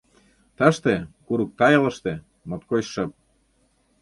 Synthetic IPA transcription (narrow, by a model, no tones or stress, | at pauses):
t̪əʃt̪ekuɾuk̚t̪ɑjə̆lə̆ʃt̪e | mŏt̪koɕʃə̆p̚